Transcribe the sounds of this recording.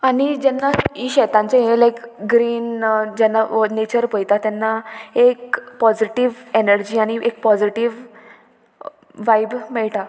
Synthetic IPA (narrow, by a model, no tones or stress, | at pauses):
aɽ̃id͡ʑɛnːaiɕɛt̪ãɲt͡ɕeɦelajkɡɾiːnd͡ʑɛnːanet͡ɕəɾpəjt̪at̪ɛnːaekpɔd͡ziʈiʋenəɾd͡ʑiːaɽ̃iʔek̚pɔd͡ziʈiʋ | ʋajbmɛɭʈ̪a